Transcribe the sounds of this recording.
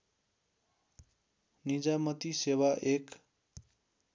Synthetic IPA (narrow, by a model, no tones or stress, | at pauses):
nid͡zamʌt̪isewaʔek